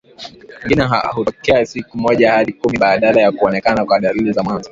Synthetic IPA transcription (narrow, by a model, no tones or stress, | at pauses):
ɛŋɡinɛɦa̰hutɔkɛasikumɔʄahaɗikumiɓaɗalajakuɔnɛkanakwaɗalilizamwanzɔ